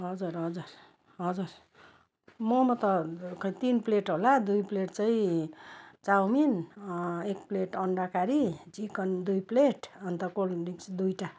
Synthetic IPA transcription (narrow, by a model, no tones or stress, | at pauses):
ɦʌd͡zuɾɦʌd͡zur | ɦʌd͡zur | mʌmʌt̪ʌkʌĩt̪inpleʈɦolad̪ujpleʈt͡sʌĩ | t͡sawmin | ek̚pleʈʌɳɖakaɾid͡zikʌnd̪ujpleʈʌnt̪ʌkolniksd̪ujʈa